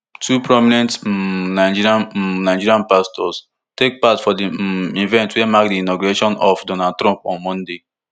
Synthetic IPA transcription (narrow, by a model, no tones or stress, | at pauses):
tʰupɾɔminɛ̃ntnaɪd͡ʒiɾianaɪd͡ʒiɾiãnpastɔs | tek̚patfɔdiivɛ̃ntwɛamak̚diinoɡuɾeʃɔ̃nɔfdonad̚tɾɔ̃mpɔ̰̃nmɔ̃nde